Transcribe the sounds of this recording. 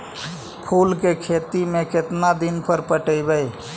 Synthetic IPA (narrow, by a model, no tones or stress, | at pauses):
pʰulkekʰet̪imeket̪nad̪inpʰəɾpəʈəbɛj